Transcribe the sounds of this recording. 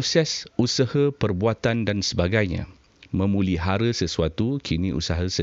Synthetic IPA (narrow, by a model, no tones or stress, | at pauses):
sɛsusahəpərbuat̪andansəbaɡajɲã̰ | mə̃mũliɦaɾəsəsuat̪ukʰinĩʔṵsaɦəsə